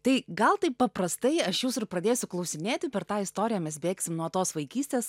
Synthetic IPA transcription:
t̪ɐɪɡɐlˠt̪ɐɪppɐpɾɐst̪ɐɪɐʃjuːsɪrpɾɐd̪ʲeːsʲʊklˠɐʊsʲɪmʲeːt̪ʲɪpʲɛɾt̪ɑːɪst̪oːɾʲɪjɛːmʲɛsbʲeːksʲɪmnuɔt̪oːsʋɐɪkʲiːsʲt̪ʲeːs

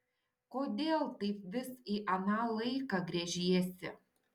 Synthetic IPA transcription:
koːd̪ʲeːlˠt̪ɐɪp̚ʋʲɪsiːʔɐnɑːlˠɐɪkɑɡɾʲɛʒʲiɛsʲɪ̰

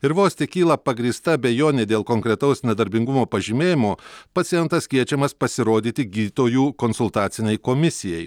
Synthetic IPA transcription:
ɪɾʋoːsʲt̪ʲeːkʲiːlˠɐpɐɡɾʲiːst̪ɐbʲejoːnʲeːd̪ʲeːlˠkoŋkɾʲɛt̪ɐʊsnʲɛd̪ɐɾʲbʲɪŋɡʊmoːpɐʒʲɪmʲeːjɪmoːpɐt̪ʲɪjɛnt̪ɐskʲiɛt͡ʃʲɛmɐspɐsʲɪɾoːd̪ʲiːt̪ʲɪɡʲiːt̪oːjuːkonsʊlˠt̪ɑːt̪sʲɪnʲɛɪkoːmʲɪsʲɪjɛɪ

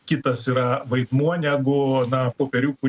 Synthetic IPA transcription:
kʲɪt̪ɐsiːɾɐʋɐɪd̪muɔnʲæːɡʊnɐpoːpʲɛɾʲuːkʊ

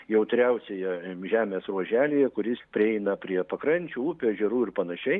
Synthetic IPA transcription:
jɛʊt̪ʲɾʲɛʊsʲejɛʒʲæːmʲeːsruɔʒʲæːlʲeːjɛkʊɾʲɪspʲɾʲɪɛɪnɐpʲɾʲiɛpɐkɾɐnʲt͡ʃʲuːʊpʲɛʒʲɛɾuːɪrpɐnɐʃʲɛɪ

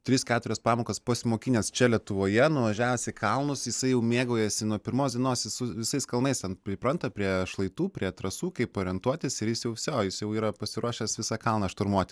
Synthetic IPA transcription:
t̪ʲɾʲɪskʲæːt̪ʊɾʲɛspɑːmoːkɐspɐsʲɪmoːkʲiːnʲeːst͡ʃʲɛlʲiɛt̪ʊʋoːjɛnʊʋɐʒʲæːʋosʲɪkɐlˠnʊsjɪsɐɪjɛʊmʲeːɡoːjɛsʲɪnuɔpʲɪɾmoːsd̪ʲiɛnoːsjʲɪsʊʋʲɪsɐɪskɐlˠnɐɪst̪ʲɛnpʲɾʲɪpɾɐnt̪ɐpʲɾʲiɛʃlˠɐɪt̪uːpʲɾʲiɛt̪ɾɐsuːkɐɪpoːɾʲɪɛnt̪uɔt̪ʲɪsɪɾjɪsjɛʊʋʲɪsʲoːjɪsjɛʊiːɾɐpɐsʲɪɾuɔʃʲɛsʋʲɪsɑkɐlˠnɐʃt̪ʊɾmuɔt̪ʲɪ

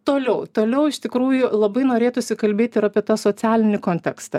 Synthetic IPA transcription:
t̪oːlʲɛʊt̪oːlʲɛʊɪʃt̪ʲɪkɾuːjʊlˠɐbɐɪnoːɾʲeːt̪ʊsʲɪkɐlʲbʲeːt̪ʲɪɾɐpʲiɛt̪ɑːsoːt͡s̪ʲæːlʲɪnʲɪkoːnʲt̪ʲɛkst̪ɐ

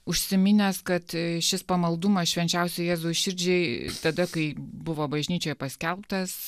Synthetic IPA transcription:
ʊʃʲsʲɪmʲɪnʲɛskɐt̪ʃʲɪspɐmɐlˠd̪ʊmɐsʃʲʋʲɛnʲt͡ʃʲɛʊsʲɛɪjæːzuːʃʲɪɾʲd͡ʒʲɛɪt̪ɐd̪ɐkɐɪbʊʋoːbɐʒʲnʲiːt͡ʃʲoːjɛpɐsʲkʲɛlˠpt̪ɐs

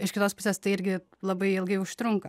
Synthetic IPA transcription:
ɪʃkʲɪt̪oːspʊsʲeːst̪ɐɪɪɾʲɡʲɪ | lˠɐbɐɪɪlˠɡɐɪʊʃt̪ɾʊŋkɐ

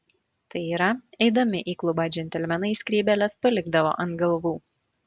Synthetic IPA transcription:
t̪ɐɪiːɾɐɛɪd̪ɐmʲɪʔiːklˠʊbɑd͡ʒʲɛnʲt̪ʲɛlʲmʲɛnɐɪsʲkʲɾʲiːbʲɛlʲɛspɐlʲɪɡd̪ɐʋo̰ːʔɐnt̪ɡɐlˠʋuː

